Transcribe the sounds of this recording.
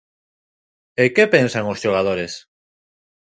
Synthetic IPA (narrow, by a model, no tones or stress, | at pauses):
ekepensaŋosʃoɣ̞að̞oɾes